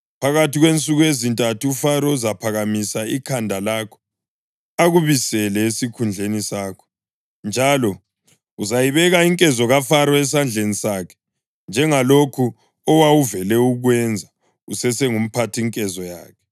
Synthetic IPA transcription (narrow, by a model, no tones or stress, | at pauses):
pʰaɣatiɣwent͡sʼuɣujezintʼatʰuufaɾɔuzapʰaɣamisaikʰandʱalaːkʰɔ̥ | aɣuβisɛlɛesikʰund͡ɮʱenisaːkʰɔ̥ | nd͡ʒʱalɔ | uzajiβɛɣaiŋkʼɛzɔɣafaɾɔɛs̬and͡ɮʱenisaːkʰɛ̥ | nd͡ʒʱɛŋalokʰu | ɔwawuvɛlɛuɣwɛnd͡zʱa | ṵsɛsɛŋum̩pʰatʰiŋkʼɛzɔja̰ːkʰɛ̥